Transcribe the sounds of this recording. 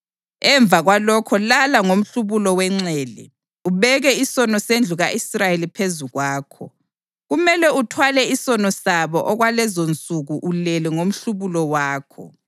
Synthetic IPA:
ɛɱb̪vʱaɣwalɔkʰɔlalaŋom̩ɬuβulɔwɛŋ͡ǀɛːlɛ̰ | uβɛɣɛisɔnɔsend͡ɮʱuɣaʔisrajelipʰezuɣwaːkʰɔ̰ | ɣumɛlɛutʰwalɛisɔnɔsaβɔʔɔɣwalɛzont͡sʼuɣuʔulɛlɛŋom̩ɬuβulɔwaːkʰɔ̰

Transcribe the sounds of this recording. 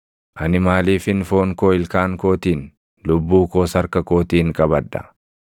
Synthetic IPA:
ʔɐnɪmaːliːfɪnfoːŋkoːɪlkaːŋko̞ːt̪iːn | lʊbːuːkoːsɐɾkɐkoːt̪iːŋkʼɐbɐd̪ːɐ̥̰

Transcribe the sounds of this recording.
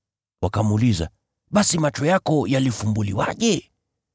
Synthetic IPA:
wakamuliza̰ | ɓasimat͡ʃɔjakɔjalifumbuliwa̰ʄɛ

